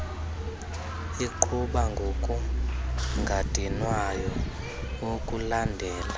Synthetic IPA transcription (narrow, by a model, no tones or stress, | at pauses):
iǃʰuɓaŋɡʱokʼu | ŋɡʱad̥ʱinwajɔ | wokʼulandʱɛːla